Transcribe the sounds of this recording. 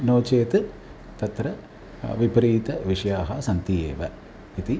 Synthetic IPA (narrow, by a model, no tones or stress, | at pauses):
noːt͡ʃeːt̪ɨ | t̪ɐt̪ɾɐ | ʋipɾiːt̪ɐʋiʂɐjaːɦɐsɐnt̪ijḛːʋɐ | it̪i